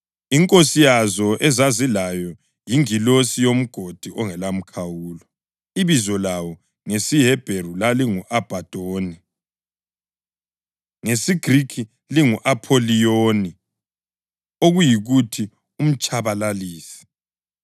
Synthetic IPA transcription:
iŋkʼosijazɔʔɛzazilajɔ | jiŋilosijom̩ɡ̥ʱod̥ʱiʔɔŋɛlam̩kʰawuːlɔ | iβizɔlawɔ | ŋesiɦɛb̥ʱerulaliŋuʔab̥ʱad̥ʱoːni | ŋesiɡ̥ʱrikʰi | liŋuʔapʰolijoːni | oɣujiɣutʰi | um̩t͡ʃʼaβalaliːsɛ̥

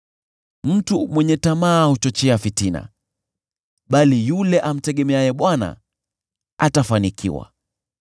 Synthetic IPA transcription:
m̩tumwɛɲɛtamaːhut͡ʃɔt͡ʃɛafitina̰ | ɓalijulɛʔam̩tɛɠɛmɛajɛɓwana̰ | atafanikʰḭwa̰

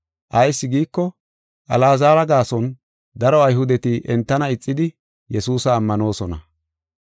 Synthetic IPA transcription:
ʔɐjsːɪɡiːkːɔ | ʔɐlaːzaːɾɐɡaːsɔn | d̪ɐɾɔɐjɦʊd̪ɛt̪ɪʔɛnt̪ːɐnɐɪt͡sʼːɪd̪ɪ | jɛsuːsɐːmːɐno̞ːsɔnɐ

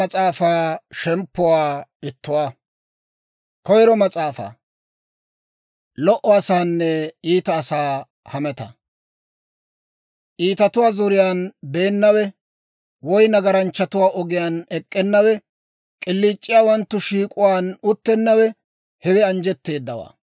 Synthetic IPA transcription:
ɐt͡sʼaːfaːʃɛmpːʊwaːɪt̪ːʊwaː | kɔjɾɔmɐt͡sʼaːfa̰ː | lɔʔɔɐsaːnːɛiːt̪ɐːsaː | hɐmɛt̪ɐ̰ | ʔiːt̪ɐt̪ʊwaːzɔɾɪjaːnbe̞ːnːɐwɛ | wɔjnɐɡɐɾɐnt͡ʃːɐt̪ʊwaːʔɔɡɪjaːnɛkʼːɛnːɐwɛ | kʼɪlːiːt͡ʃʼːɪjaːwɐnt̪ːʊʃiːkʼʊwaːnʊt̪ːɛnːɐwɛ | hɛwɛɐnd͡ʒɛt̪ːe̞ːd̪ːɐwa̰ː

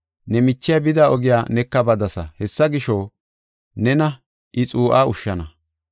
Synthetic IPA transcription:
nɛmɪt͡ʃːɪjabɪd̪aːɔɡɪjaːnɛkːɐbɐd̪ɐsɐhɛsːɐɡɪʃoː | nɛnɐ | ʔɪt͡sʼuːʔaːʊʃːɐnɐ

